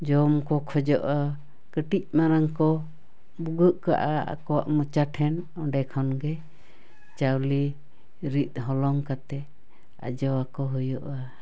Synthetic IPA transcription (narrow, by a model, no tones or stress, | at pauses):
d͡ʒɔmkɔkʰɔd͡ʒɔʔa | kəʈic̚ˀmaɾaŋkɔ | buɡəʔka̰ʔaa̰kɔwa̰ʔmɔt͡ʃaʈʰɛn | ɔɖɛkʰɔnɡɛ | t͡ʃawli | ɾit̪̚ˀɦɔlɔŋkat̪ɛ | a̰d͡ʒɔwakɔɦɔjɔʔa